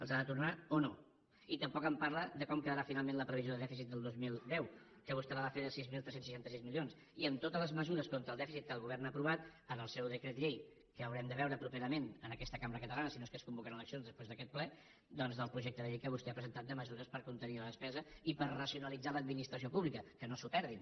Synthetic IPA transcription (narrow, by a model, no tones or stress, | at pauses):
əlˠzaðət̪urnaono | it̪əmpɔkəmpaɾləd̪əkɔmkəðəɾafinalˠmẽnləpɾəβizjoðəðɛfisit̪̚d̪əlˠd̪ozmilˠd̪ɛw | kəβ̞ust̪ɛβaβafeðəsizmilˠt̪ɾɛsensːəʃant̪əsizmilions | iənt̪ot̪əzləzməzuɾəskont̪ɾəlˠd̪ɛfisit̪̚kəlˠɣuβɛrnaːpɾuβ̞at̪ənəlˠsɛwðəkɾet̪ʎej | kəːwɾɛmd̪əβɛwɾəpɾupeɾəmenənəkɛst̪əkambəɾəkət̪əlanəsinoeskəskumbukənələksijonzðəspɾezðəkɛt̪̚plɛ | d̪ɔnzðəlˠpɾuʒek̚t̪əðəʎejkəβust̪ɛapɾəzənt̪at̪̚d̪əməzuɾəspəɾkunt̪əniləðəspɛzəipəɾrəsiunəlid͡zaləd̪minist̪ɾəsiopuβlikəkənosupɛɾð̞in